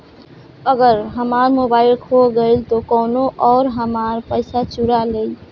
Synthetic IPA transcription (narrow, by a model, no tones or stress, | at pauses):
əɡəɾɦəmaɾmobaɪlkʰoɡəɪlt̪okəːnoʔɔːɾɦəmaɾpəɪsat͡ʃuɾalej